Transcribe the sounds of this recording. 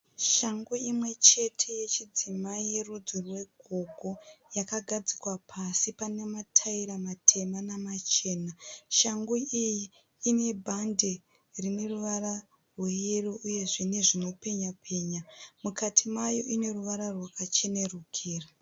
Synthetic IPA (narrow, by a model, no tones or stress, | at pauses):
ʃaŋɡuimwe̞t͡ʃe̞tʰe̞je̞t͡ʃid͡zimaije̞rud͡zurwe̞ɡʱo̞ɡʱo̞jakaɡʱad͡zikwapʰasipane̞matʰaiɾamatʰe̞manamat͡ʃe̞ːnaʃaŋɡuʔijiː | ne̞bʱande̞ | rine̞ruʋaɾa | rweeruʔuje̞ʐene̞ʐino̞pe̞ɲapʰe̞ːɲamukatʰimajo̞ʔine̞ruʋaɾarwakat͡ʃe̞ne̞rukʰiːra